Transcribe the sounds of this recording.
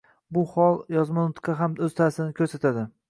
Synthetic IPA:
bʊhɒlˠjɒzmanʊt̪kʰɑɦamɵz̥t̪ʰasɪnɪkʲʰɵɾsat̪ʰad̪ɪ

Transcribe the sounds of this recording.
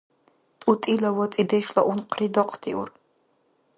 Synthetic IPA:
t̪ʼutʼilɐwɔt͡sʼid̪ɛʃlɐʔunqʰrid̪ɔqʰt̪ʰḭʔṵr

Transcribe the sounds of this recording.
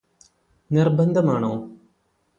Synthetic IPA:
nirbɐnd̪ʱɐmaːɳoː

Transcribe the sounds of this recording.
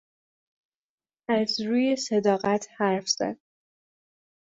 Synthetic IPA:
æzɾuːje̞sed̪ɒːɣæt̪ʰhæɾfz̥æ̰d̪̥̚

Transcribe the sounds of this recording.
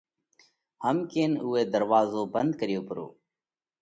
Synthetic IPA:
həmkeːnuːeːd̪əɾʋaːzoːbənd̪̚kəɾɪjoːpəɾo̰ː

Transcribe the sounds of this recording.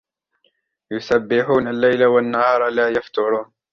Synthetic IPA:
jʊsabːɪħuːnalːajlawanːahɑːɾˤlaːjaft̪ʊɾˤuːn

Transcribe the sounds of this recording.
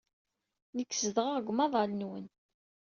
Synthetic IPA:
nəkːsəðəʁaʁɡʷmɑðˤɑlənwən

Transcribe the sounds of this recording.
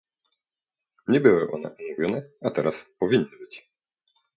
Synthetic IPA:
ɲʲɛbɨwɪʔɔnɛ̰ʔumuvʲɔnɛat̪ɛɾaspɔvʲinʲːɨbɘt͡ɕʲ

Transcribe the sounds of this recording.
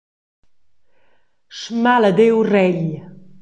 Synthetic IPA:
ʃmaləd̪ewrɛʎ

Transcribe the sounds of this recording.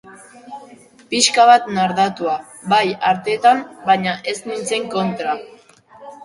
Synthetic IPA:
piskaβ̞at̪naɾðat̪ua | bajaɾt̪e̞ːt̪ambaɲaʔe̞snint͡se̞ŋko̞nt̪ɾa

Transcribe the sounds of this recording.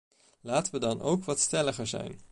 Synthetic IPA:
laːtəʋədɑnʔo̰wkʋɑtstɛləχəɹzɛ̰jn

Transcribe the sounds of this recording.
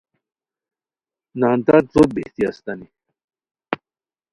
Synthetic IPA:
naːnt̪at͡sobḛht̪iɐst̪ɐni

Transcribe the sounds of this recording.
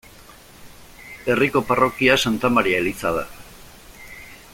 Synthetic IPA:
e̞riko̞paro̞kiasant̪amaɾiaelit͡sað̞a

